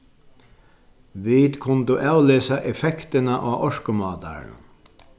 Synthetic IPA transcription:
ʋiːt̪kʰʊnt̪ʊʔaːwleːsaʔɛfɛkt̪ɪnaʔaːʔɔʂkʊmɑːt̪a̰ɾn

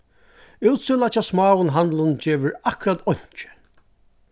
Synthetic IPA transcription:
uːwt̪sɪlat͡ʃasmɑːwʊnɦand̪lʊnt͡ʃeːʋɪɾakʊɾat̪ɔɲ̥t͡ʃɪ̥

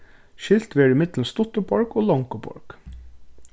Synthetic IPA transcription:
ʃɪlt̪ʋeːɖɪmɪt̪ln̩st̪ʊt̪əpʰɑɹkoːlɑŋkəpʰɑ̰ɹk

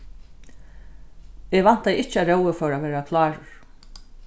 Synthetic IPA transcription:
eʋan̥t̪ajɪht͡ʃːaɾɛwəfœɾaʋɛːɾakʰlɑːɹɾ̥

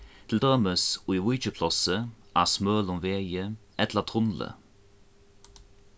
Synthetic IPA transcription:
t̪ʰɪld̪øməsuiwʊːt͡ʃəpʰlɑsəʔæːsmøːlɔmʋeːjəʔɛt̪lət̪ʰʁʊnlə̰

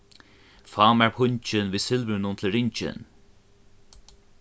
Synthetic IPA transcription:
fɑːmæɹpʰʊɲt͡ʃɪnviːsɪlvənʊnt̪ʰɪlɾɪɲt͡ʃɪ̰n

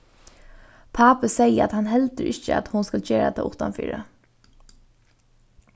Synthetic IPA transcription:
pʰɑːpəseɪəɑ̰t̪hɑnhɛlt̪əɾʔɪçəɑ̰t̪hʊnskɑlçøːɾɛt̪ʰə̰ːʔʊt̪ɑnfy̰ːɾə

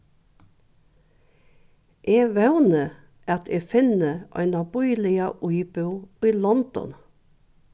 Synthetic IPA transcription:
ʔeːʋæʉnə | ʔæːt̪ʰeːfɪnəʔɑ̰ɪnɑbɔʏlɪɑʔʊʏbʉiːlɔnd̪̥ɔ̰n

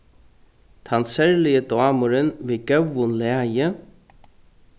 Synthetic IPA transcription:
t̪ʰansɛɹlɪəd̪ʊaːmʊɾənvɪːɡœwːʊnlɛːjə

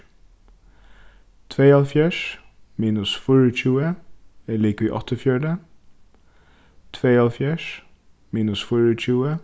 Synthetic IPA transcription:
t̪ʰʋeːɑlfjæːʃ | miːnʉsfɔɹəc͡çʉːəɛliːkʋiːʔɑt̪ʰəfjœːɖə | t̪ʰʋeːɑlfjæːʃ | miːnʉsfɔɹəc͡çʉːə

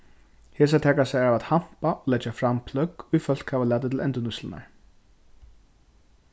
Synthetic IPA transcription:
heːs̬at̪ʰɛːkasɛjɾavat̪ham̥paʔɔlɛt͡ʃːafɾampʰlœkːʊjfœl̥khaːvalaːt̪̬ɪt̪ʰɪlɛnt̪ənʊslɪna̰ɹ

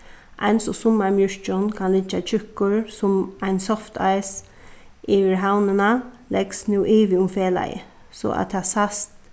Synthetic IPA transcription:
ʔa̰ɪnsɔsʊmaɹmjʏɹt͡ʃɔnkʰanlɪt͡ʃat͡ʃʰʏkʊɹsʊmaɪnsɔft̪ʰa̰ɪjs | ʔiʋɪɹɦawnənalɛɡsnjuːʔiːʋiʊmfeːla̰jə̰ | sɔ̰a̰t̪ʰaːsast̪

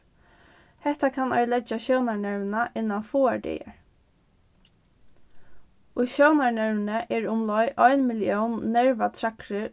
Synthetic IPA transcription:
hɛht̪akʰanɔjlɛd͡ʒaɕownaɹɳɛɹvnaʔɪnːanfuːaɹɖɛ̰ːjə̰ɹ | ʊjʃɔwnaɹnɛɹmɪnəʔɛɹʊmlɔjʔɔjnmɪljɔwnːɛɹʋat̪ʰɾakɾɪ

